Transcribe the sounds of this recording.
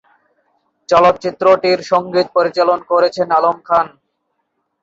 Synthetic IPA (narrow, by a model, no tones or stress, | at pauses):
t͡ɕɔlot̪̚t͡ɕit̪ːɾoʈiɾʃɔŋɡit̪̚poɾit͡ɕalonkoɾet͡ɕʰenalomkʰan